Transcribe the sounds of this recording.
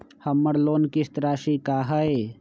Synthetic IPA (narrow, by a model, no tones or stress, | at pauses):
hɐmːɐɽloːnkist̪ɾaːʃikaːɦɐe